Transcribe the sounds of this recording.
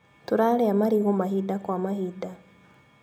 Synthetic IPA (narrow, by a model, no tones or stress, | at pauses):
tuɾaleamaɾiɣomaɦidakwamahida